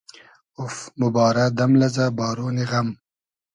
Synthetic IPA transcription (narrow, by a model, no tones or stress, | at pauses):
ʊfmʊbɑːɾad̪amlazabɑːɾoːneɣam